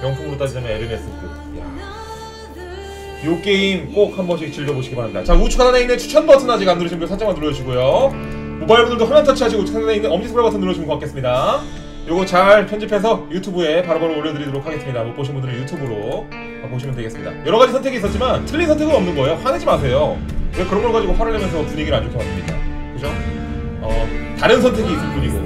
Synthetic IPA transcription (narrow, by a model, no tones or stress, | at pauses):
mjʌŋsʰuŋɯɾot͈ad͡ʑid͡ʑʌmeeɾɯmes͈ɯko | ḛ | jok͈e̞imk͈ok̚hambʌɕ̬ʰit͡ɕiɭd͡ʑʌboɕʰiɡibaɾamɲidat͡ɕaut͡ɕʰukʰananeinet͡ɕʰu̥t͡ɕʰʌnbatʰɯnad͡ʑiɡanːɯɾɯɕimdɯsʰat͡ɕ͈amantuɾʌd͡ʑʰiɡojo | mobaiɭbundɯɭdohɯmantʰat͡ɕʰiɦad͡ʑiut͡ɕʰu̥kʰananeindeʌmd͡ʑisʰoabatʰʌnɯɭːjʌɕʰimɯnkokakʰes͈ɯmɲida | joɡɯt͡ɕaɭpʰjʌnd͡ʑipʰe̞s̬ʰʌjutʰubue̞paɾɯbʌɾooɭːjʌdɯɾidoɾokʰaɡe̞s͈ɯmɲidamop͈oɕ̬ʰinbundɯɾɯnjutʰubɯɾo | ʌpoɕʰimɯntweɡe̞sɯmɲḭda̰jʌɾʌɣad͡ʑisʰʌntʰe̞ɡiːs͈ʌtt͡ɕ͈imantʰɯɭːisʰʌntʰeɡɯnʌmnɯnɡʌejoɸwaned͡ʑimas̬ʰe̞joekɯɾʌnɡʌɭkad͡ʑiɡopʰaɾaɭːemjʌnsʰʌpuɲiɡiɾɯɭaɲd͡ʑok͈ʰːʌkas͈ɯmɲik͈a̰ | kɯt͡ɕʰo | ʌtaɾɯns̬ʰʌntʰe̞ɡiːs͈ɯk͈uɾiɡo̰